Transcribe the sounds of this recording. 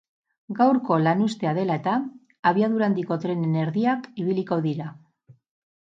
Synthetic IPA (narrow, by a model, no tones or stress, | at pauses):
ɡawɾko̞lanust̪e̞aðe̞lae̞t̪aː | βiaðuɾand̪iko̞t̪ɾe̞nene̞ɾðiakiβiliko̞ðiɾa